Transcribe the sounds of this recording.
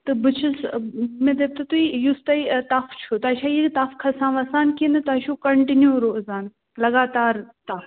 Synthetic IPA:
t̪ɨbɨt͡ʃʰɨsmẽd̪eːb̚t̪ɨt̪uijust̪ɐit̪ɐft͡ʃʰut̪ɐʃaːjiit̪ɐfkʰɐsãːʋɐsaːnkinɨt̪ɐʃukɐɳʈinjuɾoːzaːn | lɐɡaːt̪aːɾt̪ɐf

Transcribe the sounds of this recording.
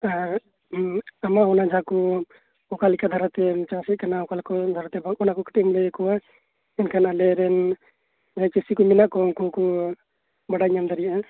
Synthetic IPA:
aɾ | amaɔnad͡ʒʱakɔ | ɔkalikad̪ʱaɾat̪ɛt͡ʃasit̪̚kanaɔkalkɔd̪ʱaɾat̪ɛbaɔnakɔki̥ʈimlɛkɔwa | ɛnkʰanalɛɾɛn | d͡ʒʱajkisikɔminaʔkɔunkukɔ | bəɽaiɲamd̪əɾijaʔa

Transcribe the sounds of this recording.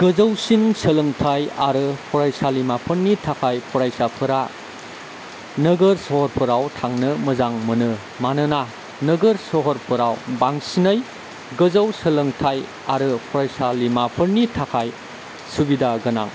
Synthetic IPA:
ɡ̥ɯzɐwsinsəlɯŋtʰajaɾɯpʰɔɾajsalimapʰɯɾnitʰakʰajpʰɔɾajsapʰɯɾa | nɯɡɯɾsɔhɔɾpʰɯɾawtʰaŋnɯmɯzaŋmɯnɯ | manɯna | nɯɡɯɾsɔɦɔɾpʰɯɾawbaŋsinɐj | ɡɯzawsəlɯŋtʰaj | aɾɯpʰɔɾajsalimapʰɯɾnitʰakʰaj | subidaɡɯna̰ŋ

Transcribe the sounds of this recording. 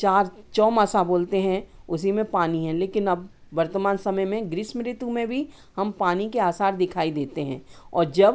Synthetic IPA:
t͡ʃaːɾt͡ʃɔːmasaboːlt̪eɦɛ̃ʊsimẽpaːniɦɛ̃leːkɪnɐb̚ | ʋɐɾt̪əmaːnsɐməjmẽɡɾɪʃmɪɾɪt̪umẽbʱi | hɐmpaːnikeaːsaːɾd̪ɪkʰaːid̪eːt̪eɦɛ̃ːɔːɾd͡ʒɐb

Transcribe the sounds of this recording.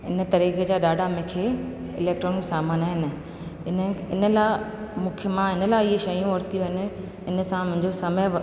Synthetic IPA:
ɪnə̆t̪ɐɾiːxed͡ʑaːɗaːɖʱamẽːkʰeː | ɪleːk̚ʈɾoːnɪksaːmaːnaːɦɪnɪ̆ | ɪnɪnə̆lamũːkʰəmãɦɪnəlaːɪɪɦʃɐjũɔɾt̪ijũɦɪnɪ̆ | ɪnə̆sãmʊ̃ɦɪ̃ɲd͡ʑosɐməj

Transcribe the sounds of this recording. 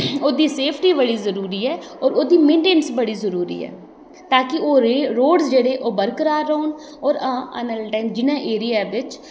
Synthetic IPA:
oːd̪iːseːpʰʈiːbəɽiːzəɾuːɾiːɛːɔːɾoːd̪iːmẽːɳʈeːnsbəɽiːzəɾuːɾḭːɛ̰ː | t̪aːkɪoːɾoːɖzd͡ʒeːɽeːʔoːbəɾkəɾaːɾːəʊːn | ɔːɾãːə̰nəlʈaːɪmd͡ʒɪnãːʔeːɾɪjaːʋɪt͡ʃ

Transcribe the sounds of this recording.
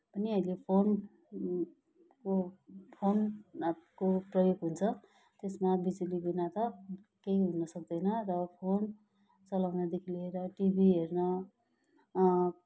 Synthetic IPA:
pʌniʌilepʰon | kopʰon | koprʌjoɡɦunt͡sʰʌ | t̪esmabid͡zilibinat̪ʌ | keiɦunʌsʌk̚d̪ʌjnʌrʌpʰon | t͡sʌlawnʌd̪ekʰileeɾʌʈibʱiɦernʌ

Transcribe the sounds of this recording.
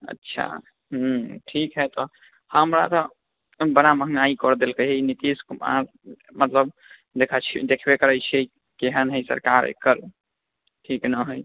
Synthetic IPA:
ə̰tːʃʰa̰ | ɦ̩ʈʰikɦɛt̪ɔ | həmɾa̰t̪ɔ | bənaməɦŋɡaikɔɾd̪elkəɦenit̪iskuma̰ɾ | mət̪ləb | d̪ekʰat͡ʃʰḭd̪ekʰbekəɾəjt͡ʃʰe | keɦənɦəjsə̰ɾkaɾḛkːəɾ | ʈʰiknəɦəj

